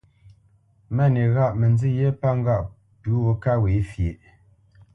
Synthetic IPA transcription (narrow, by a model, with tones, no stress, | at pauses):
mɛ˦˨ne˨ɣa˦ʔmɛ˨nzi˦˨je˦pa˦ŋ˦ɡa˦˨ʔ | pʉ˨˦ɣo˨ka˦we˨˦fje˨ʔ